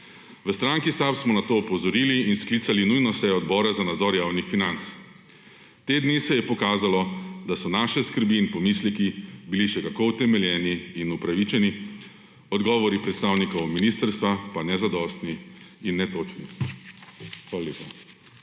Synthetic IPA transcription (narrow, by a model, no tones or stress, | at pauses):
ʋəst̪ɾaŋkisapsmɔnat̪oːɔpɔzɔɾiːliːnsklit̪salinujnɔsɛjɔɔd̪bɔːɾazanad̪zɔɾjaːwnixfinant̪s | t̪eːd̪nisɛjɛpɔkaːzalɔd̪asɔnaːʃɛskəɾbiːnpɔmislɛkibiliʃɛkakowt̪ɛmɛljɛːniːnupɾaʋit͡ʃɛni | ɔd̪ɡɔːʋɔɾipɾɛt̪st̪aːwnikɔwminist̪əɾst̪ʋapanɛzad̪ɔst̪niinːɛt̪oːt͡ʃni | xʋaːlaleːpa